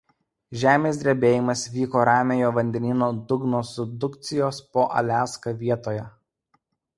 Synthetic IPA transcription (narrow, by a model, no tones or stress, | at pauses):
ʒʲæːmʲeːsd̪ʲɾʲɛbʲeːjɪmɐsʋʲiːkoːɾɑːmʲeːjoːʋɐnʲd̪ʲɛnʲɪnoːd̪ʊɡnoːsʊd̪ʊkt̪sʲɪjoːspoːʔɐ̰lʲæːskɐʋʲiɛt̪oːjɛ